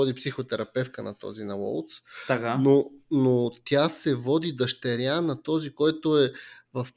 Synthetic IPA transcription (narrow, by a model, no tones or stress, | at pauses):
ɔd̪ipsixot̪ɛɾɐpɛfkənɐt̪ɔ̰zinɐwɔ̰lˠt̪st̪akanonot̪ʲjasɛvɔd̪id̪əʃt̪ɛɾʲjanɐt̪ɔzikɔjt̪oɛ | vɐf